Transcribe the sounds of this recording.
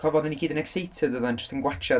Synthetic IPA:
kʰɔvɔd̪ðɪnikʰiːdənɛksejtʰədəðand͡ʒəstənɡwat͡ʃa

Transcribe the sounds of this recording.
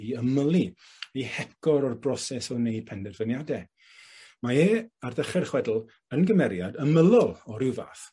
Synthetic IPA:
əməlˠi | ihɛkɔɾɔrbrɔsɛsɔnejd̚pʰɛndɛrvənjadɛ | maeːarðəχɛrχwɛdl̩ˠ | ənɡəmɛɾjadəməlˠɔlˠɔɾɪwva̰ːθ

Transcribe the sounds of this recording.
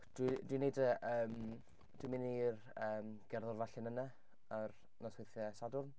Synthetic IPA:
d̥widwinejdəʔəːm | d̥wimɪner | əːmɡ̥ɛrðʊrvaɬɪnəna | ər | nɔsweθjɛsadʊrn

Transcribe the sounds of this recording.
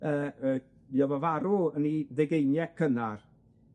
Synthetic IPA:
əːə | jɔvɔvaɾuəniðɛɡejnjɛkʰənar

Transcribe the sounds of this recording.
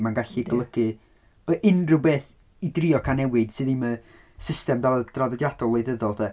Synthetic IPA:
manɡaɬiɡlˠəɡ̥ɨ | əʔɪnrɪwbeːθ | idrɪɔkʰanɛwɨd̥sɨːðimə | sɪstɛmdad̥raðɔdjadɔlˠejðəðɔlˠðɛ

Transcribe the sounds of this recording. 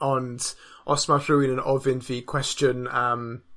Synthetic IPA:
əndʔɔsmaθuɪnə̃nɔvɪnvikʰw̥ɛst͡ʃənəm

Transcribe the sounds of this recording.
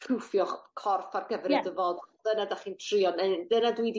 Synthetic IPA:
pʰrufjɔχkʰɔrfarɡəvrɛdəvɔd̥ənadaχiːntʰr̥ɨjɔnɛdənadwidi

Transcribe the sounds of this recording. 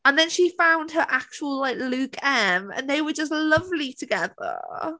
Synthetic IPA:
ə̃nðə̃nʃifãʊ̃nd̥̚əɹʔak̚t͡ʃəwəlˠlaɪklʉˑkʰɛmə̰̃nðeɪwəd͡ʒʌstlʌvlitʰəɡɛðə̰

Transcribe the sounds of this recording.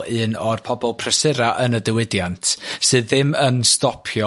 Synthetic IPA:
ɨːnɔrpʰɔbɔlˠpʰrəsɨɾaʔənədəwɪdjantʰsɨðːɪmənstɔpʰjɔ

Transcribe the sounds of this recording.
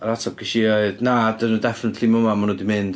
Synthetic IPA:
ɾatʰɔkʰiʃiaɨðnadənudɛfɪnətʰlimʊmamanudimɨnd̥

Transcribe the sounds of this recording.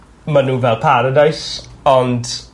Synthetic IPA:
manuːvɛlˠpʰaɾədajsɔnd

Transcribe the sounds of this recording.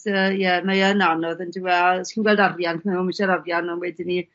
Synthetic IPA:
əjɛmajənanɔðəndiwɛskʰinɡwɛlˠdavjankʰmɔməʃaɾavjanɔnwɛdɪni

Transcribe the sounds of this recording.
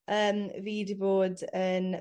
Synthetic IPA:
əːmviːdboːdən

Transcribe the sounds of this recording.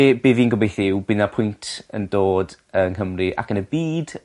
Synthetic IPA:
eːbeːviːnɡɔbejθɪwbɪnapʰʊjntʰə̰ndoːdənɦəmrɨʔa̰kənəbiːd̥

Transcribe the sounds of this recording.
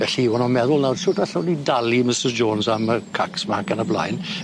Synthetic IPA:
vɛɬiwɔnɔmɛðʊlˠnawdʃʊdaɬawnidalˠimɪsəzd͡ʒoːnsaməkʰaksmakənəbla̰jn

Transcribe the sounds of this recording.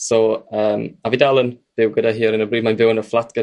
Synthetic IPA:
sɔəːmavidalˠənb̥ɪwɡədaɦiːɔɾənəbriːmanvɪwənəflˠatʰɡ̥ə

